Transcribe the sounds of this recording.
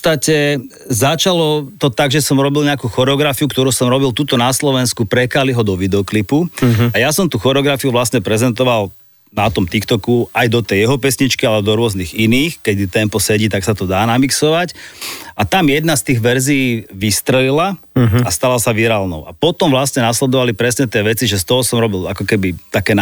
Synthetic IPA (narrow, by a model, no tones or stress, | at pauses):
pɔt͡st̪acɛ | zat͡ʃalɔt̪ɔt̪aɡʒɛsɔmɾɔbilɲɛakuxɔɾɛɔɡɾafiukt̪ɔɾuːsɔmɾɔbilt̪uːt̪ɔnaslɔʋɛnskupɾɛkaliɦɔd̪ɔʋid̪ɛɔklipuajasɔmt̪uːxɔɾɛɔɡɾafiuʋlasɲɛpɾɛzɛnt̪ɔʋal | nat̪ɔmt̪ikt̪ɔkuajd̪ɔt̪ɛjjɛɦɔpɛsɲit͡ʃkialɛd̪ɔɾʊɔzniɣiniːxkɛd̪it̪ɛmpɔsɛɟiːt̪aksat̪ɔd̪aːnamiksɔʋacat̪amjɛd̪nast̪iːɣʋɛɾzijiːʋist̪ɾɛlila | ast̪alasaʋiɾalnɔ̰ʊʔa̰pɔt̪ɔmʋlasɲɛnaslɛd̪ɔʋalipɾɛsɲɛt̪ɪɛʋɛt͡siʒɛst̪ɔɦɔsɔmɾɔbilakɔkɛbit̪akɛːn